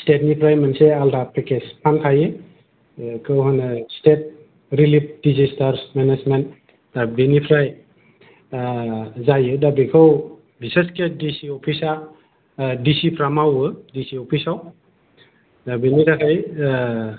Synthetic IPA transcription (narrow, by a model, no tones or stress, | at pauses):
stet̚nipʰɾajmansealdapʰekespʰankʰaje | kʰɯwɦanastet̚ | ɾilip̚dizistaɾsmenezmen | dabenipʰɾaj | zajɯdabikʰɯw | biseskedisiɔpʰisa | disipʰɾamawɯdisiɔpʰisaw | dabiniɾakʰaj